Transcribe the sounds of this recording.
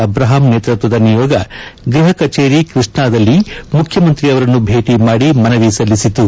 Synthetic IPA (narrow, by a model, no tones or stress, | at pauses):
ɐbɾaːɦaːmneːt̪ɾɐt̪ʋɐd̪ɐnijɔːɡɐɡɾiɦɐkɐt͡ʃeːɾikɾiʂɳaːd̪ɐlːimukʰjɐmɐnt̪ɾiɐʋɐɾɐnːubʱe̞ːʈimaːɽimɐnɐʋisɐlːisit̪u